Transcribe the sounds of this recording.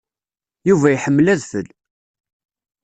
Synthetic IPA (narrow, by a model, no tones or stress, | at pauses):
juvæjħəmːlæðθə̰l